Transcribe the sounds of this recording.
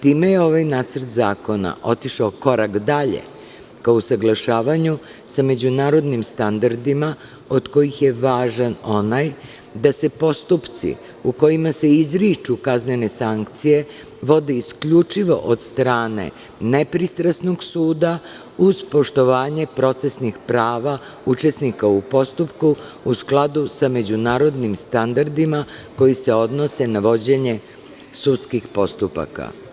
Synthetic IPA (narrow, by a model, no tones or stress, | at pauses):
t̪iːme̞jeo̞ʋajnaːt̪səɾt̪zaːko̞na̰ʔo̞t̪iʃaoko̞ɾakd̪aʎḛ | kaousaɡlˠaʃaːʋaɲu | same̞d͡ʑunaːɾo̞d̪nimst̪and̪aɾd̪ima | o̞d̪ko̞jixje̞ʋaːʒanonaj | d̪ase̞po̞st̪upt̪sḭ | uko̞jimase̞izɾit͡ʃukaznene̞saŋkt̪sije̞ | ʋo̞d̪eiskʎut͡ʂiʋo̞̰ʔod̪st̪ɾaːne̞̰ | ne̞pɾist̪ɾasnoɡsuːd̪a | uz̥po̞ʃt̪o̞ʋaːɲe̞pɾo̞t̪se̞snixpɾaːʋa | ut͡ʃe̞snikaupo̞st̪upkuusklˠad̪usame̞d͡ʑunaːɾo̞d̪nimst̪and̪aɾd̪imako̞jise̞o̞d̪no̞se̞naʋo̞d͡ʑe̞ɲe̞ | sut̪skixpo̞st̪upa̰ka̰